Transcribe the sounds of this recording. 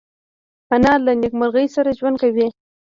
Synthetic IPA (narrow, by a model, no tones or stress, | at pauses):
panɑlanɪkmaɾɣəjsaɾaʒwand̪kawi